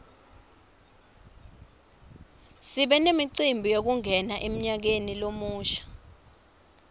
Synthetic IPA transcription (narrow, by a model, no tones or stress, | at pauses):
siɓɛnemiǀimbʱijok̬uŋɛnaʔem̩ɲak̬enilomuːʃḁ